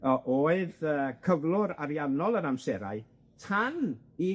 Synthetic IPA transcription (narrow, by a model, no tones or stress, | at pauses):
əʔoːɨðəkʰəvlˠʊɾaɾjanɔlˠənamsɛɾa̰ɨ | tʰan | i